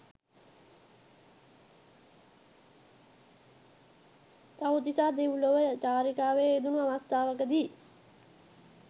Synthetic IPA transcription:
t̪aut̪isaːd̪eʋuloʋət͡ʃaːɾikaːʋeːd̪unaʋast̪aːʋəkəd̪iː

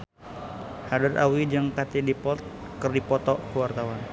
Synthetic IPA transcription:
hadəra̰wid͡ʒɨŋkat̪idipɔt̪̚kərdipɔt̪ɔkuwart̪awan

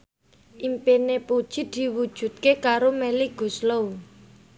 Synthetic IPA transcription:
ʔimpenepud̥ʒ̥i̤d̪̥i̤wud̥ʒ̥ṳt̪̚kekaɾomeliɡ̥ṳslow

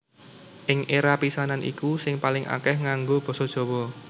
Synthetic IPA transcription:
ʔɪŋeɾapisananʔḭkusɪŋpalɪŋa̰kɛhŋaŋɡob̥ɔ̤sɔd̥ʒ̥ɔ̤wɔ

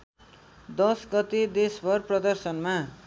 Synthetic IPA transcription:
d̪ʌsɡʌt̪ed̪esbʌrprʌd̪ʌrsʌnma

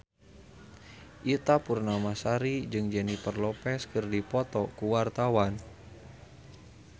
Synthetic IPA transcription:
ʔit̪apurnamasaɾid͡ʒɨŋd͡ʒɛnipərlɔpɛskɨrdipɔt̪ɔkuwart̪awan

